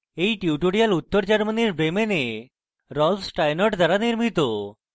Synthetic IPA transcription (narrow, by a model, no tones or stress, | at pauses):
ejʈiuʈoɽijalut̪ːəɾt͡ɕaɾməniɾbɾemene | ɾɔlfsʈajnɔʈd̪ʱaɾaniɾmit̪o